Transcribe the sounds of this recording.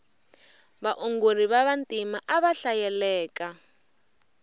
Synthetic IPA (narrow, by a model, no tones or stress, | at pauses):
βaʔuŋɡor̤iβaβantʼimaʔaβaɬajɛlɛːka